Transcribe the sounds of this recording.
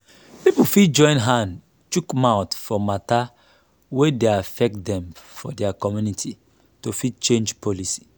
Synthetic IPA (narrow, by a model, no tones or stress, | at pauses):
pipufid͡ʒɔ̃ɪ̃nɦãnd | t͡ʃukmaʊtfɔmata | wedeafɛk̚dɛ̃mfɔdɛakɔmjunitʰi | tofit͡ʃẽnd͡ʒpʰɔlisi̥